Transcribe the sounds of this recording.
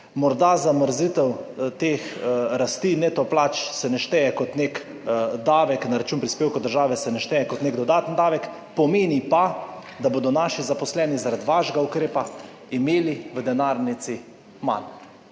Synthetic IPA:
mɔɾd̪azaməɾzit̪ɛwt̪eːxɾast̪iːnet̪ɔplaːt͡ʃsɛnɛʃt̪ɛjɛkɔt̪nek | d̪aːʋɛknaɾat͡ʃuːnpɾispeːwkɔd̪əɾʒaːʋɛsɛnɛʃt̪ɛjɛkɔt̪neɡd̪ɔd̪aːt̪ənd̪aːʋɛk | pɔmeːnipa | d̪aboːd̪ɔnaːʃizapɔslɛːnizaɾad̪ʋaʃɡaukɾeːpa | imeːliʋəd̪ɛnaɾnit̪si | ma̰n

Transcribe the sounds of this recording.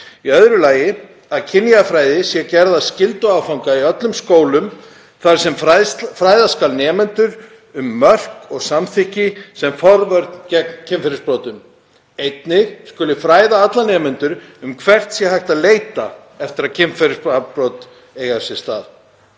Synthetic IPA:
iœðɾʏlaːjɪ | aðcʰɪnjafɾaːjðɪsjɛcɛɾðascɪlt̪ʏaːwfawŋkaiœt̪lʏmskoːwlʏm | θaɾ̥sɛmfɾaːjðaskalnɛːmɛnt̪ʏɾ | ʏmːœr̥kɔɣsamθɪhcɪsɛmfɔɾvœɾt̪cɛkcʰɪmfɛɾɪspɾowt̪ʏm | ejt̪nɪɣskʏlɪfɾaːjðaat̪lanɛːmʏnt̪ʏɾʏmkʰvɛr̥t̪sjɛhajht̪aðleːjt̪a̰ | ɛft̪ɪɾaðcʰɪmfɛɾɪsapɾoːwt̪ | eːjɣaɾ̥sjɛ̥st̪a̰ːð

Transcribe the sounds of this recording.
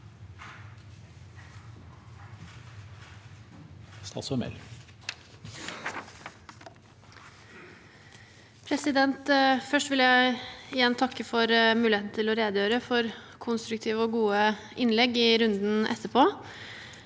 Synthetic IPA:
st̪ɑ̰sɔmɛ̰l | pʰɾɛsɪd̪ɛnt̪fœʂʈʋɪljæɪɪjɛnːt̪ʰɑkːəfɔɾmʉːlɪheːt̪nət̪ʰɪlɔɾeːd̪əjøːɾəfɔɾkʰʊnst̪ɾʉkt̪ʰiːʋəɔɡuːə | ʔɪnlɛɡːɪɾʉnd̪n̩ʔɛ̰t̪ːəpʰoː

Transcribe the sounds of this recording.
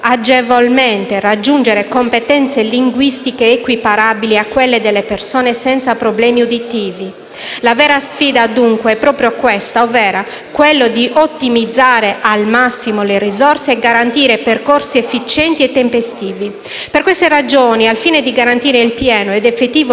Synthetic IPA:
ad͡ʒevolment̪erad͡ʒːund͡ʒeɾekompet̪ɛnt̪seliŋɡwist̪ikeːkwipaɾabiliakːwelːed̪elːepersoːnesɛnt̪sapɾoblɛːmiod̪it̪iːvi | lavɛːɾasfiːd̪ad̪uŋkweɛpːɾɔːpɾjokwest̪aovɛːɾa | kwelːod̪iʔot̪ːimid̪zːaːɾeʔalmasːimolerizɔrseːɡaɾant̪iːɾeperkorsiefːit͡ʃɛnt̪iɛt̪ːempest̪iːvi | perkwest̪erad͡ʒoːnialfiːned̪iɡaɾant̪iːɾeilpjɛːnoɛd̪efet̪ːiːvo

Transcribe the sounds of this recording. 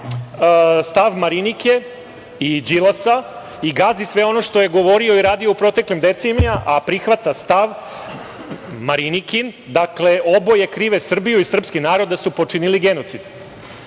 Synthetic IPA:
st̪aʋmaɾinike̞ | id͡ʒilˠasa | iɡazisʋe̞o̞no̞ʃt̪o̞je̞ɡo̞ʋo̞ɾio̞iɾaːd̪ioupɾo̞t̪e̞klimd̪e̞t̪senjaʔapɾixʋat̪ast̪aʋ | maɾinikin | d̪akle̞ʔo̞bo̞je̞kɾiʋe̞sr̩bijuisr̩pskinaːɾo̞d̪d̪asupo̞t͡ʂiniliɡe̞no̞t̪sid̪

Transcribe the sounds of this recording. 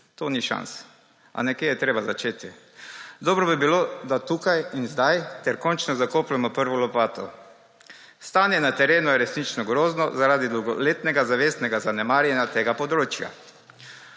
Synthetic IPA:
t̪oːniʃa̰ns | a̰nɛkeːjɛt̪ɾeːbazat͡ʃeːt̪i | d̪ɔːbɾɔbibilod̪at̪uːkajinzd̪ajt̪ɛɾkɔnt͡ʃnɔzakoːplɛmɔpəɾʋɔlɔpaːt̪ɔ̰ | st̪aːnjɛnat̪ɛɾeːnujɛɾɛsnit͡ʃnɔɡɾoːznɔzaɾaːd̪id̪owɡɔlet̪nɛɡazaʋeːsnɛɡazanɛmaːɾjɛnjat̪eːɡapɔd̪ɾoːt͡ʃja̰

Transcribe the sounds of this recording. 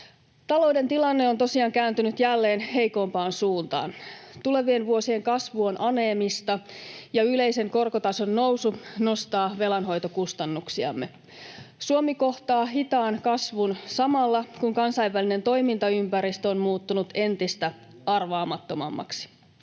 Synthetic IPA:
t̪ɑlo̞wde̞nt̪ilɑnːeo̞nt̪o̞siɑːŋkæːnt̪ynyt̪jælːe̞ːnhe̞jko̞mpɑːnsuːnt̪ɑ̰ːnt̪ule̞ʋie̞nʋuo̞sie̞ŋkɑsʋuo̞nʔɑne̞ːmist̪ɑjɑyle̞jse̞ŋko̞rko̞t̪ɑso̞nːo̞wsuno̞st̪ɑːʋe̞lɑnɦo̞jt̪okust̪ɑnːuksiɑ̰mːe | suomiko̞ht̪ɑːɦit̪ɑːnkɑsʋunsɑmɑlːɑkuŋkɑnsɑiʋːæline̞nt̪o̞jmint̪ɑympæɾist̪onmuːt̪ːunut̪e̞nt̪ist̪æɑrʋɑːmɑt̪ːo̞mɑ̰mːɑ̰ksi̥

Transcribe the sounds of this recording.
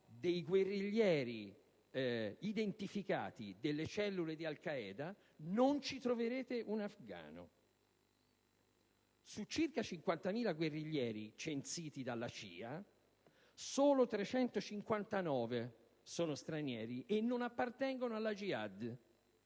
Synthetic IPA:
d̪ejɡwerːiʎːɛːɾi | id̪ent̪ifika̰ːt̪id̪elːet͡ʃɛlːuled̪ialkaɛːd̪a | nont͡ʃit̪ɾoveɾeːt̪eʔunafɡa̰ːno̰ | sut͡ʃːirkat͡ʃiŋkwant̪amiːlaɡwerːiʎːɛːɾit͡ʃent̪siːt̪id̪alːat͡ʃḭːa | soːlot̪ɾet͡ʃɛnt̪ot͡ʃiŋkwant̪anɔːve | soːnost̪ɾanjɛ̰ːɾiʔenːonapːart̪ɛŋɡonoalːad͡ʒiad̪

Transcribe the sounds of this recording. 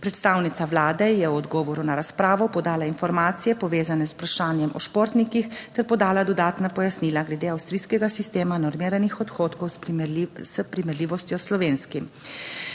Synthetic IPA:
pɾɛt̪st̪aːwnit̪saʋlaːd̪ɛjɛwɔd̪ɡɔːʋɔɾunaɾaspɾaːʋɔpɔd̪aːlainfɔɾmaːt̪sijɛpɔʋeːzanɛzupɾaʃaːnjɛmʔɔʃpoːɾt̪nikixt̪ɛɾpɔd̪aːlad̪ɔd̪aːt̪napɔjasniːlaɡlɛd̪eːawst̪ɾijskɛɡasist̪eːmanɔɾmiːɾanixɔt̪xoːt̪kɔw | spɾimɛɾliːʋɔst̪jɔslɔʋeːnskim

